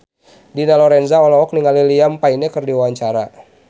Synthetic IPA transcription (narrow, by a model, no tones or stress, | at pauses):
dinalɔɾɛnzaɔlɔɔk̚niŋaliliampainɛkərdiwawaɲt͡ʃaɾa